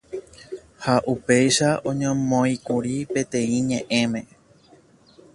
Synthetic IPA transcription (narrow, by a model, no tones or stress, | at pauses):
haʔupe̞jʃaʔõ̞ɲõmõikuɾipe̞t̪ẽ̞ĩɲẽʔẽ̞mẽ̞